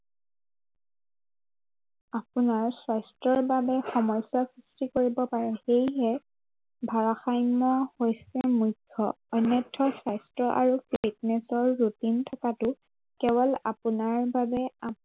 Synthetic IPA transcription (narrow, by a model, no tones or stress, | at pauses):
apʊnaɹsajstɹɔɹbabɛxɔmɔjsasɹistikoɹibɔpaɹɛxejɦɛ | bʱaɹaxajmɔhojsɛmukʰːɔ | ɔnːɔtʰːɔsajstɹɔʔaɹufitnɛsɔɹːutintʰɔkatʊ | kɛbɔla̰pʊnaɹbabɛa